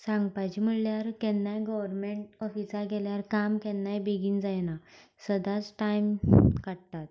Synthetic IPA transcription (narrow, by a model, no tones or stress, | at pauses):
sãŋɡpajt͡ɕim̤əɭljaɾkɛnːajɡɔʋəɾmeɳʈɔfisaɡɛljaɾkamkɛnːajbeɡiːnd͡zajna | səd̪at͡sʈajmkaɽt̪at̪̚